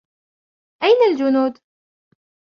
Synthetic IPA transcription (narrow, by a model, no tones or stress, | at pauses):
ʔajnald͡ʒʊnuːd̪